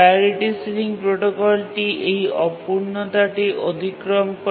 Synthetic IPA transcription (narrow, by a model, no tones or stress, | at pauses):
aɾiʈisɾiŋpɾoʈokɔlʈiʔeɦiʔɔpuɾɳɔt̪aʈiʔod̪ʱikɾɔmk